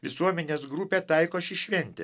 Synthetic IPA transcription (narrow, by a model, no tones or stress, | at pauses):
ʋʲɪsuɔmʲɛnʲeːsɡɾupʲeːt̪ɐɪkoːʃʲɪʃʲʋʲɛnʲt̪ʲɛ̰